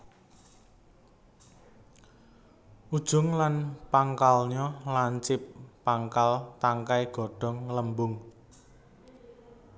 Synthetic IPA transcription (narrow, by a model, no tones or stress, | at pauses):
ʔud̥ʒ̥ʊ̤ŋlanpaŋkalɲɔlaɲt͡ʃɪpːaŋkalt̪aŋkajɡ̥ɔ̤ɖ̥ɔ̤ŋləmbʊŋ